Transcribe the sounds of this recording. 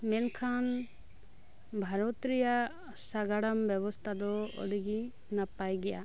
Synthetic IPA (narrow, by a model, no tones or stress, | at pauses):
mɛnkʰan | bʱaɾɔt̪ɾija | saɡaɽambɛbɔst̪ʰad̪ɔɔ̰d̪ʱiɡi | napajɡɛja̰